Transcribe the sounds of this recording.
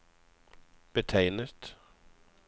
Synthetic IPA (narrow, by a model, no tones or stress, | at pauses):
b̥ətʰeɪnət̪